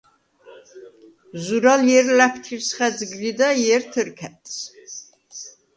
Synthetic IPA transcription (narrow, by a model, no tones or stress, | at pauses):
zuɾaljɛɾlæpʰt̪ʰiɾsχɛd͡zɡlid̪ajɛɾt̪ʰəɾkʰɛt̪ʼs